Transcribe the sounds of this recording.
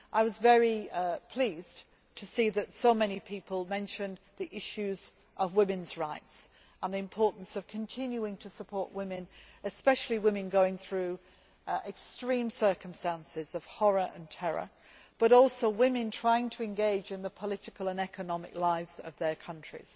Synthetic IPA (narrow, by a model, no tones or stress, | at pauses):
ʔaɪwʌzvɛɹipʰl̥iːz̥ | tʰəsiðɨtsoʊmɛnipʰipəlˠmɛ̃nʃɨ̃n | ðiʔɪʃʉz | ʔəvwɪ̃mɨ̃nzɹaɪts | ə̃nðiɨ̃mpʰɔɹʔn̩sʌv̥kʰə̃ntʰɪ̃njuɪ̃ŋtʰəsəpʰɔɹʔwɪ̃mɪ̃nɨspɛʃl̩ˠiwɪ̃mɨ̃nɡoʊɪ̃ŋθɹʉ | ʔɛkstɹ̥ĩmsɜ˞kə̃m̩stæ̃nsɪzʌv̥hɒɹəʔə̰̃ntʰɛɹə̰ | b̥ʌɾɔˑlˠsoʊwɪ̃mɨ̃ntʰɹ̥aɪɪ̃ŋtʰəɨ̃nɡeɪd͡ʒɨ̃nðəpʰəlɪɾɪkəlˠə̃nɛkʰənɒmɪ̰klaɪvz̥ʌ̰vðə˞kʰʌ̃nt͡ʃɹ̥ḭz̥